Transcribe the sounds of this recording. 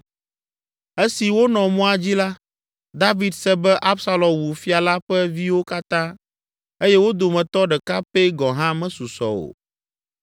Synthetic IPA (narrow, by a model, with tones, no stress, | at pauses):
e˦si˨wo˦nɔ̃˨mũ˦a˨d͡ʑi˦la˦ | d̪a˦vi˨d̪sɛ˦bɛ˦ʔa˦bsa˦lɔ̃˨mwu˨fi˦a˨la˦ɸɛ˦vi˦wo˦ka˦t̪ã˦ | e˦jɛ˦wo˦d̪o˨mɛ̃˨t̪ɔ˦ɖɛ˨ka˦pe˦ɡɔ̃˨ɦã˦mɛ̃˦su˨sɔ̰˨o̰˨